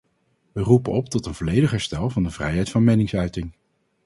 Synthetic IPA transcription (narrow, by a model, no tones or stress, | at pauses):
ʋərupənɔp̚tɔtənvɔːlejdəχɦɛɹstɛlˠvɑndəvrɛ̰jɦɛjtfɑnmɛnɪŋsœɥtɪŋ